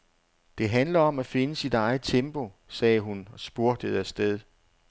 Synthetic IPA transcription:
d̥e̝ɦænlɐɒ̽mæfe̝nəsid̥ɑ̈ɪð̩ˠt͡sʰemb̥o̝ | sɛːɦunɒ̽sb̥uɐ̰d̥əð̩ˠæsd̥eð̞ˠ

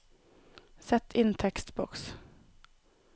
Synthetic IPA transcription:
sɛt̪ʰɪnt̪ʰɛkst̪bɔks

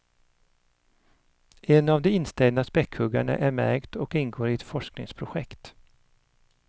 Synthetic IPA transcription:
ɛnavd̪ɛɪnːst̪ɛld̪naspɛkʰhɵɡa̰ɳa̰ʔæɾmæɾɡt̪ɔkɪnɡoːɾɪɛt̪fɔʂknɪ̰ŋspʰɾʊɧɛkt̪

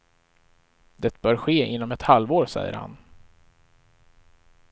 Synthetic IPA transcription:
d̪̥ɛt̪̚bœːɾɧeːɪn̪ːɔmɛt̪halvoːɾsɛ̰jːə̰ɾha̰n

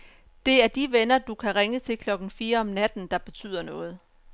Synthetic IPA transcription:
d̥e̝æɐd̥iʋenɐd̥ukʰæʁeŋət͡sʰe̝lkʰlɒ̽ɡ̥n̩fiːɐɒ̽mnæd̥n̩d̥ɑ̈b̥e̝t͡sʰy̰ð̰ˠɐnɔ̽ːð̞̩ˠ

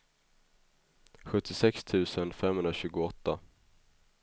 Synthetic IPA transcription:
ɧɵt̪ːɪsɛkst̪ʰʉ̟ːsənfɛmhɵnd̪ɾaɕʉ̟ːɡʊɔt̪ːa

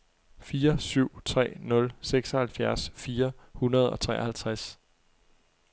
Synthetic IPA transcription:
fiːɐsyʊ̰t͡sʰʁɛ̰ːnɔ̽lseɡ̥sɒhælfjæɐsfiːɐhunɐð̞ˠɒ̽t͡sʰʁɛ̰ːɐhælt͡sʰʁas

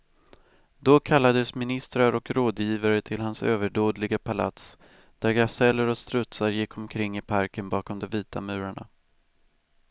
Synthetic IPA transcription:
d̪̥ɔkʰalːad̪əsmɪnɪst̪ɾaɾɔkɾoːd̪jiːvaɾət̪ʰɪlɦansøːvəɖoːd̪lɪɡapʰala̰t̪s | d̪̥æɾɡasɛlːəɾɔst̪ɾɵt̪saɾjɪkʰːɔmkʰɾɪŋːɪpʰaɾkənbɑːkɔmd̪ɔmviːt̪amʉ̟ːɾaɳa̰

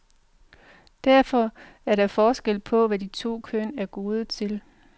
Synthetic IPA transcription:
d̥æɐfɒ̽æɐɾɑ̈fɒːsɡ̥el̰pʰɒ̽ʋæd̥it͡sʰo̝̰ːkʰønæɐɡ̥o̝ːð̞ˠət͡sʰe̝l

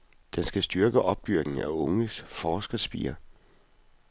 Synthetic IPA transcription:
d̥ensɡ̥æsd̥yɐɡ̥əʔɒ̽b̥̚d̥yɐɡ̥n̩æɔ̽ŋəsfɒːsɡ̥ɐsb̥ḭːɐ

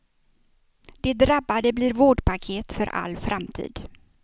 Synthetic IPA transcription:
d̪̥ɛd̪ɾabːad̪əbliːɾvoːɖpʰakʰeːt̪fœɾʔa̰lːfɾʔamt̪ʰḭːd̪

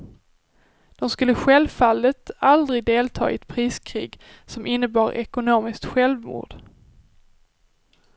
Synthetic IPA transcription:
d̪̥ɔmskɵlːəɧɛlvfalːət̪ald̪ɾɪɡd̪eːlt̪ʰɑ̰ːɛt̪pʰɾiːskʰɾḭːɡ | sɔmʔɪnːəbɑːɾʔɛ̰kʊnoːmɪskt̪ɧɛlvmṵːɖ̥

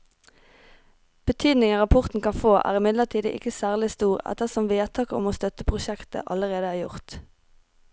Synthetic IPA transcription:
b̥ət̪ʰyːd̪nɪŋəʁɑpʰʊʁt̪n̩kɑnfoːʔæ̰ːʁɪmɪd̪ləʁt̪ʰiːd̪əʔɪ̰kəsæːʁlɪst̪uːʁɛ̰t̪əsɔmʋeːt̪ʰɑːkəɔ̰moːst̪œt̪əpʰʁʊʃɛkt̪ə̰ʔɑləʁeːd̪əæːʁjʊʁt̪

